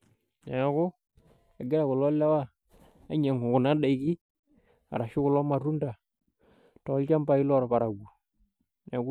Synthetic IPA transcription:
nɛ˨˦kʊ˦ | ɛ˨ɡɪ˦ɾa˨kʊ˨lɔ˦la˦wa˦ | a˦ɲɛ˨ŋʊ˨kʊ˨na˨˦ɗa˨i˨˦ki˦ | a̰˨ɾa˨ʃɪ˦kʊ˨lɔ˦ma˨ɾu˦nda˨ | tɔ˨˦lt͡ʃa˦mba˨i˦lɔ˦ɾɔ˨pa˨ɾa˨ɡu˨ | nɛ˨˦ku˦

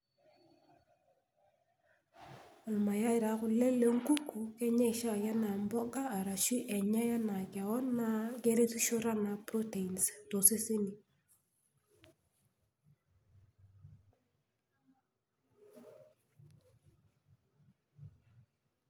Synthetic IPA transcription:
a˨lma˨ja˦ɪ˨ɾa˨˦kʊ˨le˦le˨ŋ˦ɡu˦ku˨kɛ˦ɲɛ˦ɪ˨ʃa˦˨ja˦na˨mbɔ˦ɡaː˦˨ɾa˨ʃi˦ʔɛ˨ɲa˦ja˦na˨ka˨ɔ˦na˦ɡe˦ɾe˦tu˦ʃo˦ɾa˦na˨pɾo˦te˨i˨nsto˨si˦si˦ni˨

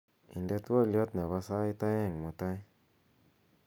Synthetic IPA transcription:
i˨ndɛ˦t̪a˦ljɔ˦t̪na˨βa˧sa˦i˦t̪a˦jɛ˦˨ŋmu˨t̪a˦j

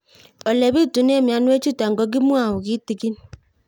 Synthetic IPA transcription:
ɔ˨le˨βi˦˨tu˨˦n˦e˦˨mja˨˦nwe˦t͡ʃu˦ta˨ŋ̩˨ɡɔ˨ɡi˦mwa˨hʊ˨ɣi˦ti˨ki˦n˨

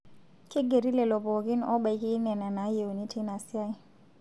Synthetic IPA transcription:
ki˦ɡe˨ɾi˦lɛ˨lɔ˨pɔ˨ki˦nɔ˦ɓa˨i˨ki˦nɛ˨na˨na˨˦je˨u˨ni˦tʰi˦na˨sja˦i˦

